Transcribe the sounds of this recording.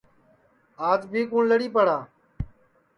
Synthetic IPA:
aːd͡ʒbʱiːkũːɳləɽiːpəɽaː

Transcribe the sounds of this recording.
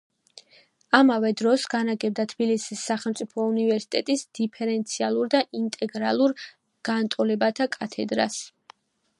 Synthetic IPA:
amavɛd̪ɾɔsɡanaɡɛb̚d̪at̪ʰb̥ilisisːaχɛlˠmt̪sʼipʰɔunivɛɾsi̥t̪ʼɛt̪ʼisd̪̥ipʰɛɾɛnt̪sʰialˠuɾd̪aʔint̪ʼɛɡɾa̰lˠuɾ | ɡ̥ant̪ʼɔlɛbat̪ʰakʼat̪ʰɛ̰d̪ɾa̰s

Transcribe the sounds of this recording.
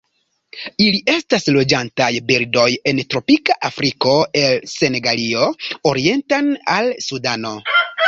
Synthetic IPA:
iliʔe̞staslo̞d͡ʒantajbiɾdo̞je̞ntɾo̞pikaʔafɾiko̞e̞lse̞ne̞ɡalio̞oɾie̞ntanalsudano̞

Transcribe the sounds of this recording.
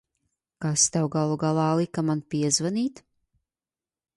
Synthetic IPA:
kast̪awɡalˠuɡalˠɑːlˠikamanpʲiɛzvaniːt̪

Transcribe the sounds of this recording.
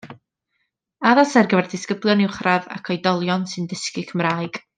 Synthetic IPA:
aðasɛrɡəvɛrdɪskəblˠjɔnɪwχrava̰kʰɔjdɔlˠjɔnsɨndəskɨkʰəmraːjɡ̥

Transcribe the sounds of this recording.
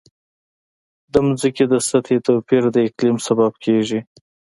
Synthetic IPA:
d̪əmuzikid̪əsat̪ʰet̪opiɾd̪əɪklimsabab̚kʰeʒi

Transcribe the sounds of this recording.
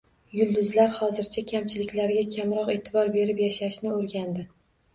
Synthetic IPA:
jʊlˠd̪ʊzlaɾhɒzɪɾt͡ʃʰakʲʰamt͡ʃʰɪlɪkʲlaɾɡʲakʲʰamɾɒqe̞t̪ʰɪbɒɾbe̞ɾɪpjaʃaʃnɪoɾɡʲand̪ɪ

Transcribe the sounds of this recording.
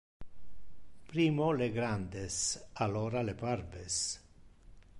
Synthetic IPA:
pɾimoleɡɾand̪esaloɾalepaɾbes

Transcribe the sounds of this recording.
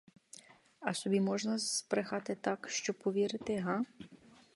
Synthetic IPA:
ɐsɔbʲimɔʒnɐspɾexɑt̪ɪt̪ɑkʃt͡ʃɔpɔʋʲiɾɪt̪ɪɦɑ

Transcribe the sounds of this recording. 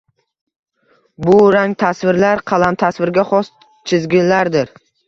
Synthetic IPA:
bʊɾaŋt̪ʰasvɪɾlaɾqʰɑlˠamt̪ʰasvɪɾɡʲaχɒs | t͡ʃʰɪzɡʲɪnlaɾd̪ɪɾ

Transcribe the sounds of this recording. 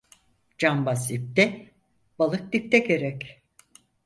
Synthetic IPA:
d͡ʒambasip̚t̪ɛ | b̥alˠɯk̚d̪ip̚t̪ʰɛkeɾɛc

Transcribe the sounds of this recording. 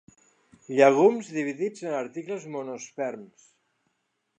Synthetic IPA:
ʎaɣumzðiβ̞iðid͡zənaɾt̪ikləzmonospɛɾms

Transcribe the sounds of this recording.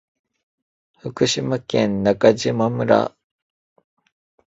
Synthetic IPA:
ɸɯkɯ̟ɕimakẽnnakad͡ʑimamɯ̟ɾa̰

